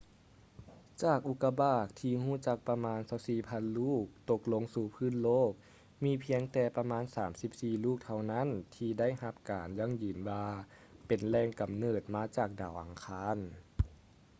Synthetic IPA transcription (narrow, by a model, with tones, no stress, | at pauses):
t͡ɕaː˨˩k̚ʔu˧˥kːa˧baː˧˩k̚t̪ʰiː˧huː˥˨t͡ɕa˧˥k̚pa˧maː˧˥˨nsa˧˦wsiː˧˩pʰa˧˥˨nluː˥˩k̚t̪o˧k̚lo˧˥ŋsuː˧˩pʰɯː˧˥˨nloː˥˩k̚ | miː˧˥pʰi˧˥əŋt̪ɛː˧pa˧maː˧˥˨nsaː˩˦msi˧p̚siː˧˩luː˥˩k̚t̪ʰa˧wna˥˨nt̪ʰiː˧da˥˩˨jha˧p̚kaː˨˩nja˧˥˨ŋjɯː˨˩nwaː˧ | pe˨˩nlɛː˧ŋka˨˩mnɤː˧˩t̪̚maː˧˥t͡ɕaː˨˩k̚daː˨˩wʔa˨˩ŋkʰaː˧˥n